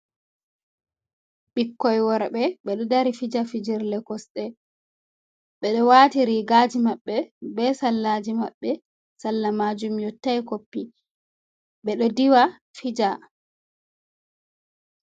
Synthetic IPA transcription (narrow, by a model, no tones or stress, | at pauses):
ɓikːɔjwɔɾaɓɛɓɛɗɔdaɾifid͡ʒafid͡ʒiɾlɛkɔsɗɛ | ɓɛɗɔwaːtiɾiɡaːd͡ʒimaɓːɛbɛsalːad͡ʒimaɓːɛ | salːamad͡ʒumjɔtːajkopːi | ɓɛɗɔdiwa | fid͡ʒa